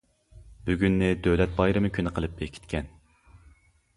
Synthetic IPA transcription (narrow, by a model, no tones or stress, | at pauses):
b̥yɡʲynːɪd̪øwlɛt̪̚bɑjɾɨmɨkʲʰynɪqʰəlˠɨp̚bekʲʰi̥t̪kʲʰɛn